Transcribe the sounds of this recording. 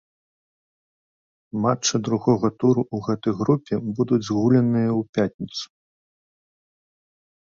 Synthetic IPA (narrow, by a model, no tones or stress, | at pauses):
mat͡ʂːɨd̪ɾuɣɔɣɐt̪uɾuʔuɣɛt̪ɐjɣɾupʲɛbud̪ud͡zʲzɣulʲɐnɨjɐwpʲat̪ʲnʲit̪su̥